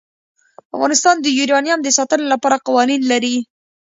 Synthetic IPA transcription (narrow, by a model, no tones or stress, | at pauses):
afɣɑnɪst̪ɑnd̪əjuɾɑnjamd̪əsɑt̪ənolapɑɾaqɑwɑninlaɾi